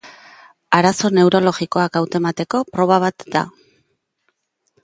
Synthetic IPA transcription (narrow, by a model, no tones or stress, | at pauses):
aɾaso̞ne̞wɾo̞lo̞ɣiko̞akawt̪emat̪e̞ko̞pɾo̞β̞aβ̞at̪d̪a̰